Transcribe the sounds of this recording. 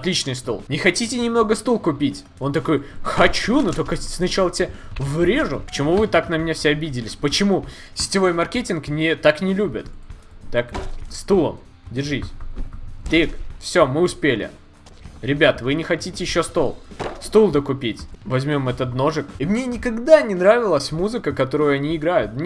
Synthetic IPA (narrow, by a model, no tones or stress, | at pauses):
ɐt̪lʲit͡ɕnɨjst̪olˠnʲɪxɐtʲitʲɪnʲɪmno̞ɡəst̪ulˠkʊpʲitʲ | o̞nt̪ɐko̞jxɐt͡ɕunut̪okəsnɐt͡ɕalˠətʲevɾʲeʐʊpə̥t͡ɕɪmuvɨt̪aknəmʲnʲefsʲeɐbʲidʲɪlʲɪsʲpət͡ɕɪmu | sʲɪ̥tʲɪvo̞jmɐrkʲetʲɪnknʲɪt̪aknʲɪlʲubʲɪt̪ː | akst̪ulˠə̰m | dʲɪrʐisʲ | t̪ikfsʲo̞mɨʊspʲelʲɪ̰ | ɾʲɪbʲat̪vɨnʲɪxɐtʲitʲɪjɪɕːost̪o̞lˠst̪ulˠd̪əkʊpʲitʲvɐzʲmʲo̞mɛt̪ət̪no̞ʐɨkimnʲe̞nʲɪkɐɡd̪anʲɪnɾavʲɪlˠəsʲmuzɨkəkɐt̪o̞ɾʊjʊɐnʲiɪːɡɾajʊt̪mnʲ